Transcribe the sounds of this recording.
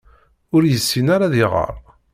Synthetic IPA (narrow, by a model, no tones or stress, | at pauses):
ʊɾjəsːinaɾaðɪʁə̰ɾˤ